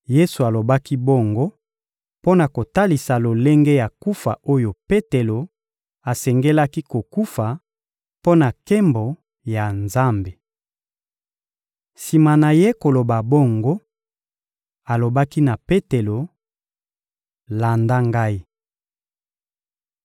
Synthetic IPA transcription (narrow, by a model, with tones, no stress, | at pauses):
je˦su˨a˨lo˨ba˦ki˦bo˦ŋɡo˦ | po˦na˨ko˨ta˦li˨sa˨lo˨le˦ŋɡe˦ja˨ku˦fa˨o˦jo˨pe˦te˨lo˨ | a˨sɛ˨ŋɡe˦la˦ki˦ko˨ku˦fa˨ | po˦na˨ke˦mbo˨ | ja˨nza˦mbe˨ | si˨ma˨na˨je˦ko˨lo˨ba˨bo˦ŋɡo˦ | a˨lo˨ba˦ki˦na˨pe˦te˨lo˨ | la˨nda˦ŋɡa˦i˦